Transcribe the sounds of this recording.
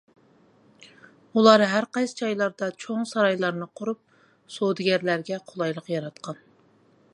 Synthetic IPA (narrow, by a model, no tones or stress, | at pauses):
ulˠɑɾɦæɾqɑjsɨ̥t͡ʃʰɑjlˠɑɾd̪ɑt͡ʃʰoŋsɑɾɑjlˠɑɾnɨqʰoɾup̚ | sod̪ɨɡʲɛɾlæɾɡʲɛqʰolˠɑjlˠəqjɑɾɑt̪̚qʰɑn